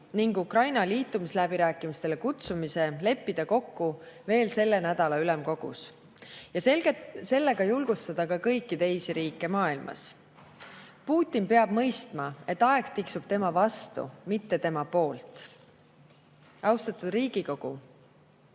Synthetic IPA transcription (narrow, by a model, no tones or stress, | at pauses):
niŋɡukrɑjnɑliːt̪ːˑumislæb̥iɾæːkːˑimist̪e̞lekut̪sumise̞le̞pːid̪̥ɑko̞kːuve̞ːlse̞lːe̞næd̪̥ɑlɑylemko̞ɡ̥ṵs | jɑsese̞lːe̞ɡ̥ɑjulɡ̥ust̪ɑd̪̥ɑkɑkɤ̞jkːˑit̪e̞jsiɾiːkːˑe̞mɑːilmʔɑ̰s | puːt̪ʲːˑinpe̞ɑb̥mɤ̞jst̪mɑe̞t̪ːˑɑeɡ̥t̪iksub̥̚t̪e̞mɑvɑst̪ṵmit̪ːe̞t̪e̞mɑpo̞ːlt̪ˑ | ɑwst̪ɑt̪ˑud̪riːɡ̥iko̞ɡ̥u